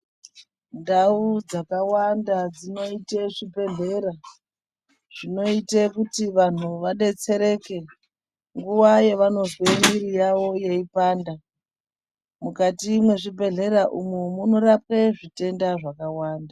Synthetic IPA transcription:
ndaud͡zakawandad͡zino̞iteʐibe̞ɮe̞ɾa | ʐ̥ino̞itekutiʋan̤uʋaɗe̞t͡se̞ɾe̞ke̞ | ŋɡuʋaje̞ʋano̞zemiɾijaʋo̞jeipaːnda | mukatimwe̞ʐibe̞ɮe̞ɾaʔumumuno̞rape̞ʐite̞ndaʐakawaːnda

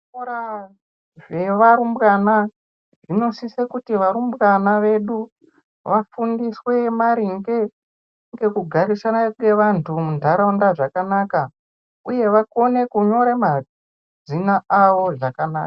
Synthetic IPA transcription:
oɾa | ʐe̞ʋaɾumbɣana | ʐ̥ino̞sisekutiʋaɾumbɣanaʋe̞ɗu | ʋafundiswe̞maɾiŋɡe̞ | ŋɡe̞kuɡʱaɾisanaŋe̞ʋantʰumundʱaɾaundaʐakanaːka | uje̞ʋako̞ne̞kuɲo̞ɾema | d͡zinaʔaʋo̞ʐakana̰ːkḁ

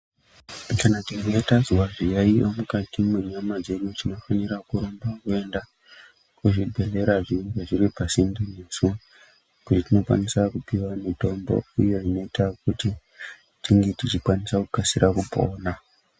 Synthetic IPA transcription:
kanatiɡoetaziwaʐijaiomukatimuɲamad͡ze̞ɗutino̞faniɾakuɾombakue̞nda | kuʐibʱe̞le̞ɾaʐiŋɡeʐiripasindinesu | kutitino̞kwa̰nisakupiwamito̞mbo̰ijo̞ino̞itakuti | tiŋɡe̞tit͡ʃikwanisakukasiɾʔakupo̞̰ːna

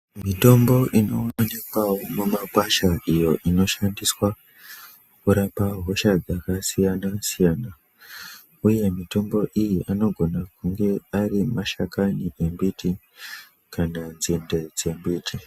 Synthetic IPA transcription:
mito̞mbo̞ʔino̞nekwamumakwaʃaʔijo̞ʔino̞ʃandiswa | kuɾapaɦo̞ʃad͡zakasijanasijaːna | uje̞mito̞mbo̞ʔijiano̞ɡʱo̞nakuŋɡe̞arimaʃakaniʔe̞mbiti | kananzinde̞d͡ze̞mbiːtʰi

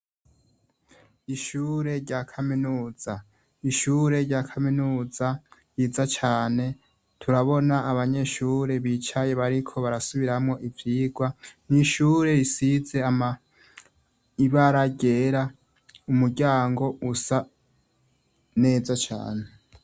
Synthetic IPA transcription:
iʃuːɾe̞ɾɟakʰaminuːz̥a | iʃuːɾe̞ɾɟakʰaminuːzajiːzat͡ʃaːne̞ | tʰuɾaβo̞naːβaɲe̞ʃuːɾe̞βit͡ʃaje̞βaɾikʰo̞βaɾasuβiɾamŋo̞ʔivjiːɡwaniʃuːɾe̞jisize̞ama | iβaɾaɟe̞ɾa | umuɾɟaːŋɡo̞ʔusa | ne̞ːzat͡ʃa̰ːne̞

